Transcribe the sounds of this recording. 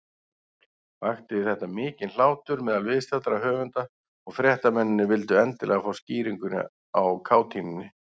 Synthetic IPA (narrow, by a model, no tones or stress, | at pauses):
vaxt̪ɪðɪθɛht̪amɪːcɪnl̥aːwt̪ʏɾmɛːðalvɪðst̪at̪ɾahœːvʏnt̪a | ɔɣfɾjɛht̪amɛnːɪnːɪvɪlt̪ʏɛnt̪ɪlʔɛ̰ːɣafawsciːɾiŋkʏn̰ | awkʰaːwt̪ʰiːmɪnɪ